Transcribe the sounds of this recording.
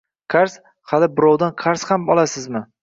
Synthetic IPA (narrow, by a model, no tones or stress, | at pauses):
kʰaɾs | χalɪbɪɾɒwd̪anqʰaɾshambɒlˠasɪzmɪ